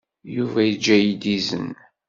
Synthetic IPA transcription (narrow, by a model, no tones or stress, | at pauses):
juvæjid͡ʒːæjid̪izə̰n